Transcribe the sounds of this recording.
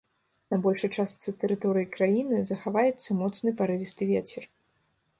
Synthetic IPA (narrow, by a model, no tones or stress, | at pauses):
nɐbɔlʲʂɐjt͡ʂast̪sɨt̪ɛɾɨt̪ɔɾɨjikɾajinɨzɐxavajɛt̪sːɐmɔt̪snɨpaɾɨvʲist̪ɨvʲet͡sʲɛr